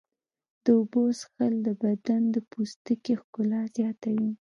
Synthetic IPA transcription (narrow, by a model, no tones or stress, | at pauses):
d̪̥əobosxəld̪əbad̪and̪əpust̪əkexkʊlɑzjɑt̪awi